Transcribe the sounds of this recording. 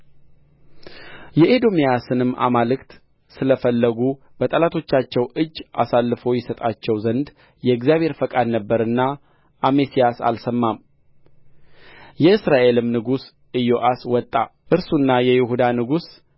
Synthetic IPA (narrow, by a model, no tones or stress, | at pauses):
jɛʔed̪o̞mijasɨnɨmːʔa̰malɨkt̪ | sɨləfəlːəɡu | b̥ət̪ʼəlat̪ʰo̞t͡ʃːat͡ʃːɛwʔɨd͡ʒːʔa̰salːɨfo̞jɛsət̪ʼat͡ʃːɛwzənd̪ | jɛɡzjaβʱhe̞ɾfəkʼad̪nəbːəɾɨnːa | ʔːmesijasa̰lsəmːam | jɛɨsɾaʔe̞lɨmnɨɡus | ʔɨjo̞ʔaswɔt̪ʼːaʔɨɾsunːajɛjɪhud̪anɨɡus